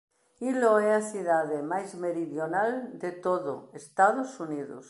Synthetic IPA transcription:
iloeaθuðaðemajzmeɾiðjonald̪et̪oðo̰est̪aðosuniðo̰s

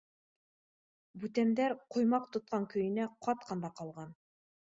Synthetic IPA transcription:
bʉt̪æmd̪æɾqŏjmɑq̚t̪ŏt̪̚qɑŋkɵ̆jɘ̆næqʰɑt̪̚qʰɑnd̪ɑqɑlˠʁɑn

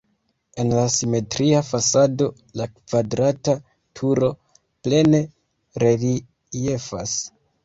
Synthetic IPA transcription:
e̞nlasime̞tɾiafasado̞ | lakv̥adɾata | tʰuɾo̞ | ple̞ne | ɾe̞li | jefa̰s

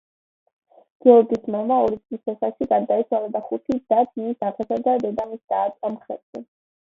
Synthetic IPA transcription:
ɡ̥ɛɔɾɡismamaɔɾit̪sʼisɛχaʃiɡaɾd̪aisʰwalad̪aχut̪ʰid̪at̪ʰiisaʁɛsad̪ad̪ɛd̪amisd̪aːt̪sʼamχɛ̰t̪ɛ

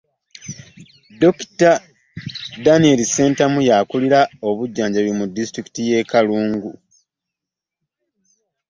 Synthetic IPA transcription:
do̞ki̥ta | danielise̞ːntamujakuliɾao̞βuɟːaːɲɟaβjomudːistɾiki̥tijeːkaluːŋɡu

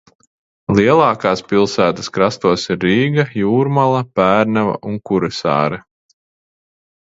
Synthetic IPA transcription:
lˠiɛlˠɑːkaːspilˠsæːt̪ɐ̥skɾast̪uɔsiɾːiːɡajuːɾmalˠɐpæːɾnavɐ̰ʔuŋkuɾɛsɑ̰ːɾɛ

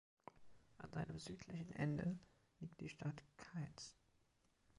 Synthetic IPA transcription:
ʔa̰nzaɪnəmzyːtʰlɪçn̩ʔɛ̰ndə | liːk̚t̚d̥iːʃtʰatkʰaɪs

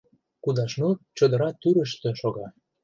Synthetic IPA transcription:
kud̪ɑʃnot͡ɕŏd̪əɾɑt̪ːyɾəʃt̪ĕʃoɣɑ

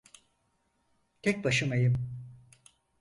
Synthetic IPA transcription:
t̪ʰɛc̚ʲbaʃɯmejɯm

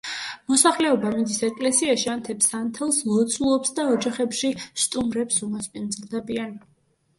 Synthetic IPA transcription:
mɔsaχlɛɔbamid̪isɛkʼlɛsiaʃiant̪ʰɛpsant̪ʰɛlˠsmɔt̪sʰulˠɔpsd̪aɔd͡ʒaχɛpʃist̪ʼumɾɛpsumaspʼind̪zɾd̪ɛbian

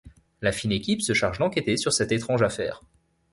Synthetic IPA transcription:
lafinekʲipsəʃaʁʒd̪ɑ̃kʲet̪esyʁsɛt̪et̪χɑ̃ʒafɛ̰ːʁ

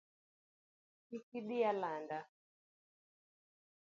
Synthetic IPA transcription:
kikiɗijalanda

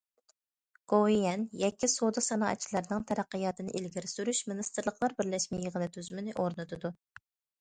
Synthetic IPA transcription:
ɡ̥oijɛnjɛkʲʰːisod̪ɨsɑnɑːʔɛ̰t͡ʃʰilˠæɾnɨŋt̪ʰɛɾæqːəjɑːt̪ʰɨnɨ̰ʔilɡʲiɾɪsyɾyʃmɪnɨst̪ɨɾlˠəqlˠɑɾbɪɾlɛʃmɛjəʁənɨt̪ʰyzymɪnɪʔoɾnɨt̪ʰɨd̪u

